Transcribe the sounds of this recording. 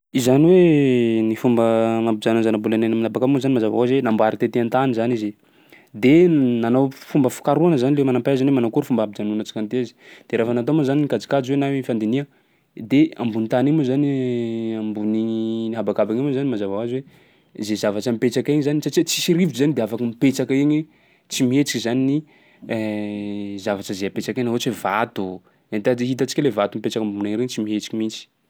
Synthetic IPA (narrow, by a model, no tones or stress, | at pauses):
izaniwenifumbəmabid͡zananzanabulananaminabakabŋozanimazava̰azwenambaɾit̪et̪eant̪anizanize | d̪enanawfumbəfu̥kaɾuanəzanilemanampaazanwemanakuɾfumbabid͡ʒanunət͡si̥kant̪eazi̥d̪̥eɾafanat̪̬omazaninikad͡zi̥kad͡ʒwenawifand̪iniə | d̪eambunit̪animuzaniambuniɲiɦabakabaŋimozanimazavawaziwe | zezavat͡ʃəmipet͡sakeŋizanisat͡ʃit͡si̥siɾivizanid̪eafakəmipet͡sakaeɲi | t͡simiet͡si̥kizanini | zavat͡ʃəzeapet͡ʃakenaɦot͡sevat̪u | ant̪ad͡ʒiɦit̪at͡ʃikʲlevat̪umipet͡ʃakambunaŋɾeɲt͡simiet͡ʃi̥kimit͡si̥